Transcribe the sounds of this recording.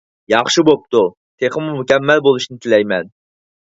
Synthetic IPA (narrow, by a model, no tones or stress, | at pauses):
jɑχʃibop̚t̪u | t̪ʰeχəmumukʲɛmːɛlbolˠuʃnɪt̪ʰɪlɛjmɛn